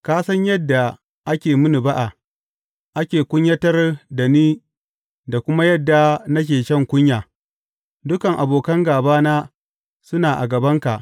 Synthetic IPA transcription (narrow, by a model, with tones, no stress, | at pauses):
kaː˦sɐ˦ɲjɐ˦dːa˨ | ʔa˦kʲeː˨mʊ˦nu˨ba˦ʔa˨ | ʔa˦kʲeː˨kʷʊ˦ɲjɐ˦tɐ˦rda˨niː˦ | da˨kʷʊ˦ma˦jɐ˦dːa˨na˦k̬ʲeː˨ʃɐ˦˨ŋkʷʊ˦ɲjaː˨ | dʊ˦kɐ˨ŋʔa˨boː˨kɐ˦ŋɡaː˨baː˦naː˦ | sʊ˦naː˨ʔa̰˨ɡɐ˨bɐ˦ŋka˨ʔ